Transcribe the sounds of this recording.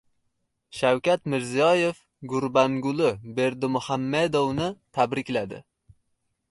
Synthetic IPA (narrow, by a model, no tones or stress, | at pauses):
ʃawkʲat̪mɪɾzijɒje̞f | ɡʊɾbaŋɡʊlɪbe̞ɾd̪ʊmʊhamːed̪ownɪt̪ʰabɾɪkʲlad̪ɪ̰